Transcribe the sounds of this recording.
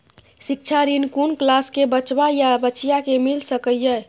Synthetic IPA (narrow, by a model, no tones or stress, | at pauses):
sik̚t͡ʃʰaɾinkunklaskebət͡ʃbajabəːt͡ʃijakemilsəkəjjə